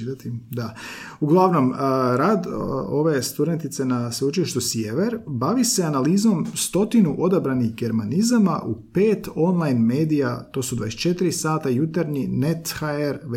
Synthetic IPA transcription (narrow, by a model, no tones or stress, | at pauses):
d̪at̪id̪a | uɡlˠaʋno̞mɾaːd̪o̞ʋe̞st̪ud̪e̞nt̪it̪se̞nasut͡ʃeʃt̪usjeʋeɾbaʋiseanalizo̞mst̪o̞t̪inuʔo̞d̪abɾaniɣɡe̞ɾmanizama̰ʔupe̞ːt̪o̞nlˠajnme̞ːd̪ijat̪o̞sud̪ʋajeset͡ʃe̞t̪iɾisaːt̪ajut̪aɾɲine̞t̪xaeɾʋ